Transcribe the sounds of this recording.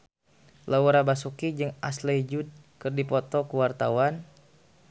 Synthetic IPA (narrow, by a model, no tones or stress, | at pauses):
lawuɾabasukid͡ʒɨŋa̰sled͡ʒud̚ | kɨrdipɔt̪ɔkuwart̪awan